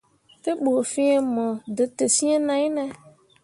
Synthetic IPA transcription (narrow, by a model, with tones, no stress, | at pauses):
fe˦bo˨fĩ˦e˦mɔ˨dɪ˨te˨sĩ˦e˦nã˨˦nɛ̃˦